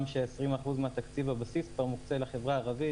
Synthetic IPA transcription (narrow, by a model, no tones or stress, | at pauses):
mʃeːsʁimaχuzmeat̪akt͡sivabasiskvaʁmukt͡selaχe̞vʁaːʁavi